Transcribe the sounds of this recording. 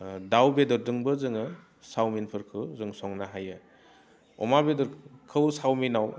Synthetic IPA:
dawbedɔɾdɯŋbɯzɯŋɯ | sawminpʰɯɾkʰɯwzɯŋsɔŋnaɦajɯ | ɔ̰mabedɔɾkʰɯwsawminaw

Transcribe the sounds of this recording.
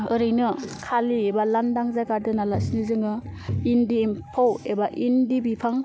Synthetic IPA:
ɯɾɯjnɯkʰaliebalandaŋzajkaɾdɯnalasinizɯŋɯindiːmpʰawebaʔindibipʰaŋ

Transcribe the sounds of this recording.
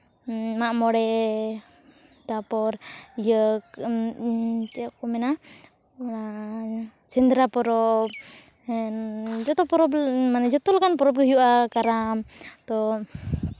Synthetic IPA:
maʔmɔɽɛ | t̪apɔɾjək | t͡ʃɛkɔmɛna | na | sɛnd̪ɾapɔɾɔb̚ | d͡ʒɔt̪ɔpɔɾɔbmanɛd͡ʒɔt̪ɔlakanpɔɾɔb̚ɡəɦujuʔakaɾamt̪ɔ

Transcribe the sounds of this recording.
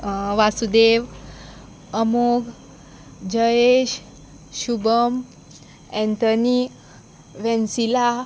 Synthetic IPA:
ʋasud̪eʋ | əmoɡ | d͡ʑəeɕ | ɕubəm | ɛ̃nt̪əni | ʋɛ̃nsila

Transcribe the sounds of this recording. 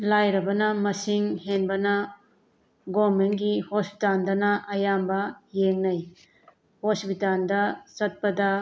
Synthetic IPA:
lajɾɐbɐnɐmɐsiŋhenbɐnɐ | ɡomenɡihospi̥tandɐnɐʔɐjambɐjeŋnɐj | hospitandɐsɐt̚pɐdɐ

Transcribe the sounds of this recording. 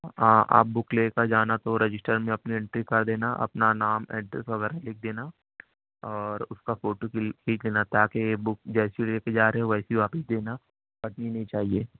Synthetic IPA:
ɦãːʔa̰ːp̚bʊkleːkad͡ʒaːnat̪oɾɪd͡ʒɪsʈəɾmẽɐpniɪ̃ɳʈɾikɐɾd̪eːnaʔɐ̰pnanaːmɛ̰ːɖɾesʋɐɡɛːɾalɪk̚ʰd̪eːna | ɔːɾʊskafoːʈokiːt͡ʃleːnat̪aːkebʊk̚d͡ʒɛːsileːked͡ʒaːɾeɦeoʋɛːsiʋaːpɪsd̪eːna | bɐʈninɐɦĩt͡ʃaːɦieː

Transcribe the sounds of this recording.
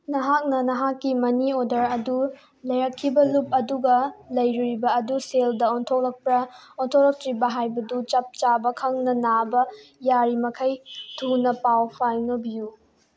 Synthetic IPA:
nɐɦak̚nɐnɐɦakːimɐniodɐɾɐdu | lɐjɾɐkʰːibɐlup̚ɐduɡɐlɐjɾuɾibɐːduseldɐontʰok̚lɐk̚pɾɐontʰok̚lɐk̚tɾibɐɦajbɐdut͡ʃɐp̚t͡ʃabɐkʰɐŋnɐnabɐjaɾimɐkʰɐjtʰunɐpawpʰajnɐbiju

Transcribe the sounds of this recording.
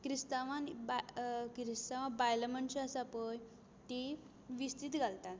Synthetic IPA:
kɾist̪aʋãnbakɾist̪aʋãbajləmənt͡ɕiasapəj | t̪i | ʋist̪it̪ɡʱalt̪at̪

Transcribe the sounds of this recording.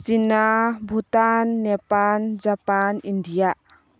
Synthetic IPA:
sinabʱut̪anːɛpand͡ʒapanindijaʔ

